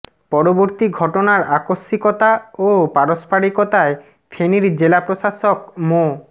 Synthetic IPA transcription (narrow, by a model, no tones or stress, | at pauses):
pɔɾoboɾt̪iɡʱɔʈonaɾakoʃːikot̪aopaɾospaɽikot̪ae | fʰeniɾd͡ʑelapɾoʃaʃok̚mo